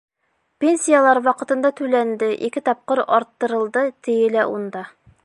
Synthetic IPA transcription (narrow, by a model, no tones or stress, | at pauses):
pʲenʲsʲijalˠɑɾwɑqɤ̆t̪ɤ̆nd̪ɑt̪ʉlænd̪ɘʔikɘt̪ɒp̚qɤɾɒɾt̪ːɤ̆ɾɤ̆lˠd̪ɤt̪ʰɘ̆jɘlæʔund̪ɑ